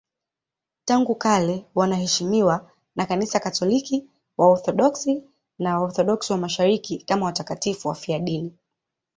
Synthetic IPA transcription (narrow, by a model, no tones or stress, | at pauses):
taŋɡukalɛwanahɛʃimiwa | nakanisakatɔliki | waɔɾθɔɗɔksi | nawaɔɾθɔɗɔksiwamaʃaɾikikamawatakatifuwafiaɗini